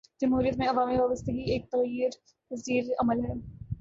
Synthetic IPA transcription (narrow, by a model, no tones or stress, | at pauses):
d͡ʒɐmɦuːɾijət̪mẽɐʋaːmiʋaːbəst̪əɡieːk̚t̪ɐɣjəɾ | ziːɾɐməlɦɛː